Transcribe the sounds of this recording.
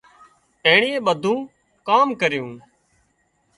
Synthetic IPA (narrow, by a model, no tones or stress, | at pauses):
eːɳiːẽːɓəd̪ʱũː | kaːmkəɾjũː